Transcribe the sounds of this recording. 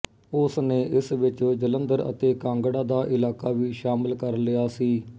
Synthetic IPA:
ʊsneːʔɪsʋɪt͡ʃoːd͡ʒələnd̪əɾə̰t̪eːkãːŋɡɽaːd̪aːʔɪlaːkaːʋiːʃaːmɪlkəɾlɪjaːsiː

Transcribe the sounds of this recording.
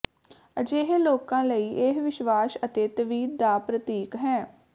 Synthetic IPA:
əd͡ʒeːɦeloːkãːləiːʔeɦʋɪʃʋaːsət̪eːt̪əʋiːd̪̚d̪aːpɾət̪iːkɦɛː

